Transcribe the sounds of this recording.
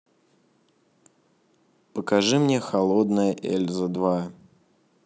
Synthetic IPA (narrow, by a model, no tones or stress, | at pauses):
pəkɐʐɨmnʲexɐlˠod̪nəjəʔḛlʲzəd̪va